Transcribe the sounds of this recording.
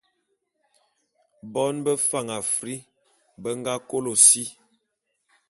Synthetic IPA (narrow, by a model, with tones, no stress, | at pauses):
bɔ˦nbə˦fa˦ŋa˨fɾi˦ | bə˦ŋ˦ɡa˦ko˦lo˨si˦